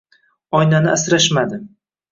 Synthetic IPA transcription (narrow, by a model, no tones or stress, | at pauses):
ɒjnanɪasɾaʃmad̪ɪ